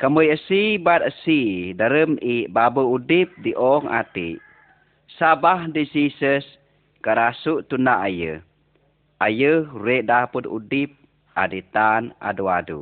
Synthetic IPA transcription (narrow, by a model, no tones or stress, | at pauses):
kəməjəsibat̪̚əsidəɾəmiʔbabəudip̚diʔɔŋʔa̰t̪ḭ | sabahdisisəs | kəɾasuʔt̪unaʔajə | ʔajəhɾeʔdapəd̪ṵdip̚ | ʔa̰dit̪ana̰duadṵ